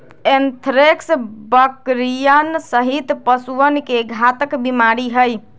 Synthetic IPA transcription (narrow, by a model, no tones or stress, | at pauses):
ent̪ʰɾeksbəkɾijənsəɦit̪pəsuənkeɡʱat̪əkbimaɾiɦəj